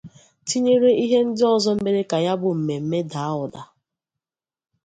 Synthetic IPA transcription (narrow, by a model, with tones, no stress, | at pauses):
ti˦ɲe˦ɾe˦i˦ɦe˦n̩˦dɪ˦ɔ˨zɔ˦m̩˦me˦ɾe˦ka˨ja˦bʊ˨m̩˨me˨m̩˦me˦da˨a˦ʊ˨da˨